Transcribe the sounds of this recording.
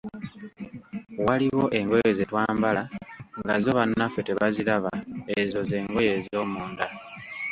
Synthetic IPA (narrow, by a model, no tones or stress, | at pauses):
waliβo̞ʔe̞ŋɡoje̞zetwaːmbalaŋɡazo̞βanːafe̞te̞βaziɾaβaezo̞ze̞ːŋɡo̞je̞zo̞ːmuːnda